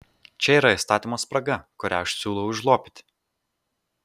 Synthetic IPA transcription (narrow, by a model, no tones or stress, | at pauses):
t͡ʃʲɛiːˑɾɐɪst̪ɑːt̪ʲimoːspɾɐɡɐkʊɾʲæ̰ɐʃsʲuːlˠɔʊʊʒlˠoːpʲɪ̥t̪ʲ